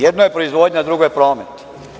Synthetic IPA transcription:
jed̪noje̞pɾoizʋod̪ɲad̪ɾuɡojpɾo̞ːmet̪i̥

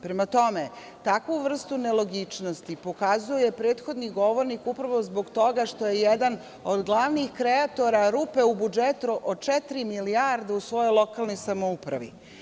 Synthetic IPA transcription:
pɾemat̪o̞me | t̪akʋuʋr̩st̪unelˠo̞ɡit͡ʃnost̪ipo̞kazujoje̞pɾe̞ːt̪xo̞d̪niɡo̞ʋo̞ɾnikupɾaʋo̞zbo̞ɡt̪o̞ɡaʃt̪o̞jejɛd̪an | od̪ɡlˠaʋnixkɾeat̪o̞ɾaɾupe̞ubud͡ʒet̪uʔot͡ʂɛt̪ɾimiliaɾd̪eusʋo̞jojlˠo̞kalˠnojsamoupɾa̰ʋḭ

